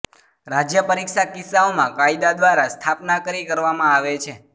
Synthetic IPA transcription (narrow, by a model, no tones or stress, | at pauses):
ɾad͡ʒjəpəɾikʃakɪsːaomãkaid̪ad̪ʋaɾast̪ʰapnakəɾikəɾʋamãaʋet͡ʃʰe